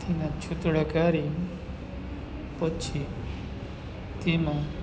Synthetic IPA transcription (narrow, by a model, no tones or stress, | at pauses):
t̪inat͡ʃʰut̪ɽakaɾi | pɔt͡ʃʰi | t̪ima